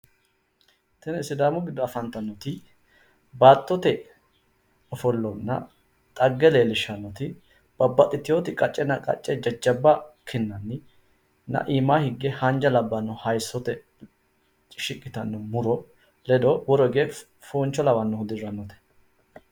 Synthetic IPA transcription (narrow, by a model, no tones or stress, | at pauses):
t̪ɛnsɪd̪aːmʊɡɪd̪ːɔɐfɐnt̪ɐnːɔt̪ɪ | baːt̪ːɔt̪ɛ | ɔfɔlːɔnːɐ̰ | t̪ʼɐɡːɛleːlɪʃɐnːɔt̪ɪ | b̥ɐbːɐt̪ʼːɪt̪ːɪjoːt̪ɪkʼɐt͡ʃʼːɛnɐkʼɐ̰t͡ʃʼːɛd͡ʒɐd͡ʒːɐbːɐkʰɪnːɐnːɪ | nɐ̰ʔiːmaːhɪɡːɛhɐnd͡ʒɐlɐbːɐnːɔhɐjsːɔt̪ɛ | t͡ʃʼɪʃɪkʼːɪt̪ɐnːɔmʊɾɔ | lɛd̪ɔwɔɾɔɡe | foːnt͡ʃːɔlɐwɐnːɔhʊd̪ɪɾːɐnːɔt̪ɛ̥